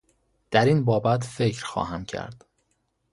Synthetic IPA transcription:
d̪̥æɾinbɒːbæt̪ʰfe̞cʰɾxɒ̰ːɦæmcʰæ̰ɾd̪̥

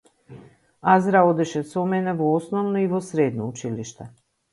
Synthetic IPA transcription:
azɾaod̪ɛʃɛsomɛnɛvoosnovnoiʋosɾeːd̪nout͡ʃiliʃt̪ɛ

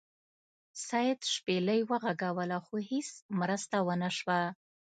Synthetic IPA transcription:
sɑjad̪ʃpeləjwəɣaɡawəlaxohismɾəst̪awənaʃwa

